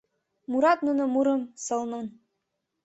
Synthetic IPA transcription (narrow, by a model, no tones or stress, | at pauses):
muɾɑt̪nunɤ̆muɾɤ̆msɤ̆lˠnɤn